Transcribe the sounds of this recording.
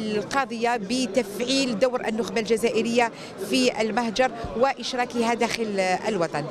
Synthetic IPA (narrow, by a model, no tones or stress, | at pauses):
qɑd̪ˤəjːabət̪æfʕild̪awɾʔə̰nːʊxbalʒæzæʔəɾəjːa | fiə̰lmahd͡ʒɑɾˤwəʔɪʃɾˤɑkəɦad̪æxələlwɑt̪ˤɑn